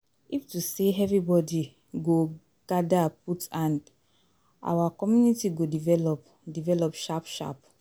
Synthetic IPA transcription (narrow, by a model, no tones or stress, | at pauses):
iftuseɛvɾibɔdi | ɡo | ɡ̥adaputãnd | ʔa̰wakɔmjunitiɡodivɛlɔp | divɛlɔpʃapʃa̰p